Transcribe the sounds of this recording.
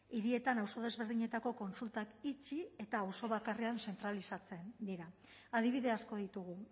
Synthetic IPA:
iɾie̞t̪anawso̞ð̞e̞zβe̞ɾðiɲe̞t̪ako̞ko̞nsult̪akit͡ʃie̞t̪aːwso̞βakare̞anse̞nt̪ɾalisat͡se̞nd̪iɾa | að̞iβiðe̞asko̞ð̞it̪uɣ̞u

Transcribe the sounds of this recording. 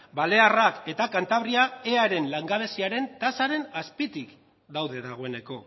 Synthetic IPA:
bale̞arake̞t̪akant̪aβɾiae̞aɾe̞nlaŋɡaβe̞siaɾe̞nt̪asaɾe̞naspit̪ik | d̪awðe̞ðaɣ̞o̞e̞ne̞ko̞

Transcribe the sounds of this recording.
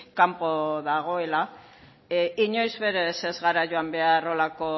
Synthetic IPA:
kampo̞ðaɣ̞o̞e̞la | iɲo̞jzβe̞ɾe̞se̞zɣaɾaʝoambe̞aro̞lako̞

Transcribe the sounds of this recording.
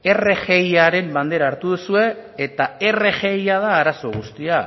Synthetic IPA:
e̞re̞ʝe̞jaɾe̞mband̪e̞ɾaːɾt̪uð̞usue̞ːt̪ae̞re̞ʝe̞jaðaːɾaso̞ɣ̞ust̪ia

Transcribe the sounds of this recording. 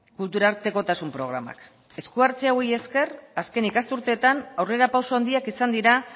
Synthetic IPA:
kult̪uɾaɾt̪e̞ko̞t̪asumpɾo̞ɣ̞ɾama̰k | e̞skuaɾt͡seaweje̞ske̞raske̞nikast̪uɾt̪e̞ːt̪anawre̞ɾapawsoand̪iakisand̪iɾa

